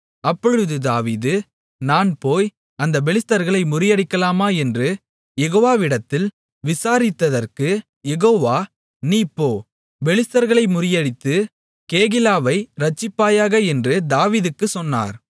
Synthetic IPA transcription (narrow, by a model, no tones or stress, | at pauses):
ɐpːɔɻɯðɯd̪aːʋiːðɯ | naːnpoːj | ɐnd̪ɐbɛlɪst̪ɐɾɣɐɭɐɪmʊɾɪjɐɽɪkːɐlaːmaːɛndrɯ | jɛɣoːʋaːʋɪɽɐt̪ːɪl | ʋɪsaːɾɪt̪ːɐðɐrkɯ | jɛɣoːʋaː | niːpːoː | ʋɛlɪst̪ɐɾɣɐɭɐɪmʊɾɪjɐɽɪt̪ːɯ | keːɣɪlaːʋɐɪɾɐt͡ʃːɪpːaːjaːɣɐɛndrɯd̪aːʋiːðɯkːɯsɔnːa̰ːɾ